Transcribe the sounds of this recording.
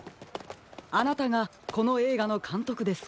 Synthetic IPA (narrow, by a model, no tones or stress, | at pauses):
anat̪aɡa | ko̞no̞e̞ːɡano̞kʰãnt̪o̞kɯ̟d̪e̞sɨ̥